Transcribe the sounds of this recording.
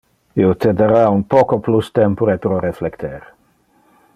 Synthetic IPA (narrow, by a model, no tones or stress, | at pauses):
iot̪ed̪aɾaunpɔkoplust̪ɛmpoɾepɾoɾeflekt̪ʰeɾ